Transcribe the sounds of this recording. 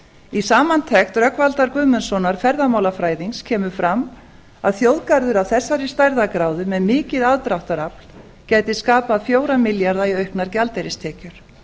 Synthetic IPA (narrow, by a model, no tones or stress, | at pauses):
isaːmant̪ʰɛxt̪rœkvalt̪aɾkvʏːmʏnsɔnaɾ̥fɛɾðamawlafɾaːjðiŋscʰɛːmʏfɾamː | aðθjowðkaɾðʏɾawθɛsːaɾɪst̪ajɾðakɾaːwðʏmɛðmɪːcɪðaðt̪ɾawht̪aɾapl | caːjt̪ɪskaːpaðfjoːwɾamɪljaɾðaiœɥhknaɾcalt̪ejɾɪst̪ʰɛːcʏɾ̥